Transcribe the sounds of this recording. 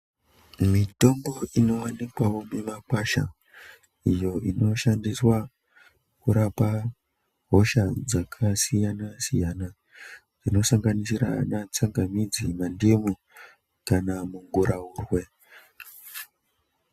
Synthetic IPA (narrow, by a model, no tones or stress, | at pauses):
mito̞mbo̞ʔino̞wanikwawo̞memakwaʃa̰ | ijo̞ʔino̞ʃandiswa | kuɾapa | ɦo̞ʃad͡zakʰasijanasijana | d͡zino̞saŋɡanisiɾa̰nat͡saŋɡamid͡zimandemu | kanamuŋɡuɾʔauːrwe̞